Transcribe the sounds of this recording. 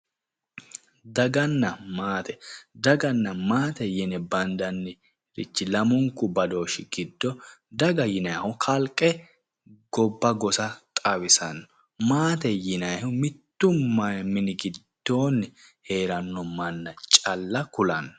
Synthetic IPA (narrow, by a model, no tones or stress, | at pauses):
d̪ɐɡɐnːɐmaːt̪ɛd̪ɐɡɐnːɐmaːt̪ɛjɪnɛbɐnd̪ɐnːɪ | ɾɪt͡ʃːɪlɐmʊŋkːʊbɐd̪oːʃɪɡ̥ɪd̪ːɔd̪ɐɡɐjɪnɐjhʊkʰɐlkʼɛ | ɡ̥ɔbːɐɡɔsɐt̪ʼɐwɪsɐnːɔ | maːt̪ɛjɪnɐjhʊmɪt̪ːʊɐmɪnɪɡɪd̪̥ːoːnhe̞ːɾɐnːɔmɐnːɐt͡ʃʼɐlːɐkʊlɐnːɔ